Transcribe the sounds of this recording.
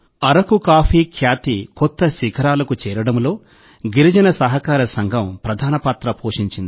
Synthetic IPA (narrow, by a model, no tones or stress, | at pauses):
ɐɾɐkukaːfiːkʰjaːt̪ikɔt̪ːɐʃikʰɐɾaːlɐkut͡ʃɛːɾɐɽɐmlo̞ː | ɡiɾid͡ʒɐnɐsɐɦɐkaːɾɐsɐŋɡʱɐmpɾɐd̪ʱaːnɐpaːt̪ɾɐpoːʂiɲt͡ʃind̪i